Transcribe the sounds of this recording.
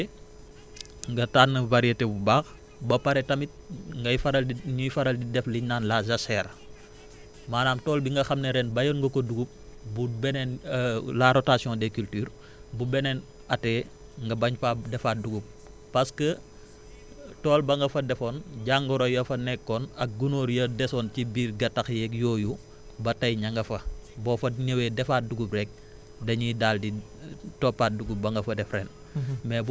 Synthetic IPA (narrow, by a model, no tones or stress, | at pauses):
ŋɡɐtaːnəvaɾietebubaːx | bɐpɐɾɛtɐmit̚ŋɡɐjfɐɾɐlɲujfɐɾɐldidɛfliɲnaːnlazɐsɛːɾ | maːnaːmtɔːlbiŋɡɐxɐmneɾɛnbɐjɔnŋɡɐkoduɡup̚bubɛnɛnlaɾotaːsijɔ̃dɛkyltyːɾ | bubɛnɛn | ɐtɛː | ŋɡɐbɐɲfadɛfat̚duɡup̚ | pɐskə | tɔːlbɐŋɡɐfɐdɛfoːnɟaŋɡɔɾojɐfɐnɛkːɔnɐk̚ɡunoːɾjɐdɛsɔːncibiːɾɡɐtɐxjɛkjoːju | bɐtɐjɲɐŋɡɐfɐbɔːfɐɲɐwɛdɛfaːt̚duɡuprɛk̚ | dɐɲidaldi | tɔpːaːt̚duɡubɐŋɡɐfɐdɛfɾɛn | mɛbu